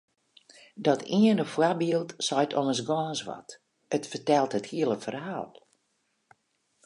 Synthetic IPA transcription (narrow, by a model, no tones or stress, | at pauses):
dɔtiənəfwabiəlˠtsɔjtʰɔməs̬ɡɔːnsʋɔ̰t | ətfətɛlˠthəthiəlˠəfərhaːlˠ